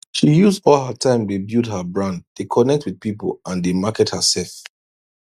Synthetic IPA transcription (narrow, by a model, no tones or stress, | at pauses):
ʃijuzdɔlˠɦətʰãɪ̃mdubjudhəbɹãnddekʰɔnɛk̚twið̥̚pipə̰lãndemakɛt̚həsɛlf